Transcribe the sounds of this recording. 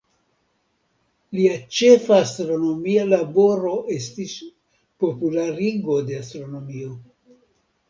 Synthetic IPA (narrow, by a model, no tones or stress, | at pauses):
liat͡ʃe̞faːstɾo̞no̞mialabo̞ɾo̞ʔe̞stis | po̞pulaɾiɡo̞de̞astɾo̞no̞mio̞